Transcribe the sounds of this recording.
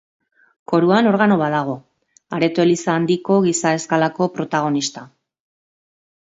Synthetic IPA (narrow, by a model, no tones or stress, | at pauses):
ko̞ɾuano̞ɾɣano̞βaðaɣ̞o̞ | aɾe̞t̪oelisaːnd̪iko̞ɣ̞isae̞skalako̞pɾo̞t̪aɣ̞o̞nist̪a